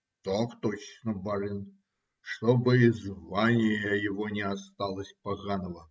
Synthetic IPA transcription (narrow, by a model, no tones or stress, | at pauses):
t̪okt̪ot͡ɕnəbɐɾɨn | ʂt̪obɨizvanʲɪjəjɪvɔnʲɪast̪ɑlˠəsʲpaɣanəvə